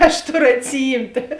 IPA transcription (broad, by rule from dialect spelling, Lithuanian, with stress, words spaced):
ɐʃ ˈtoːˌrʊ ɐtʲsʲɪˈjiːmʲtʲeː